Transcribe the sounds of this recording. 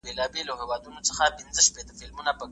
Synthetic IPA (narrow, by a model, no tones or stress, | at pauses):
belɑbelaɦewɑd̪unot͡səxapɪnzəʃpet̪əfɪlmunapə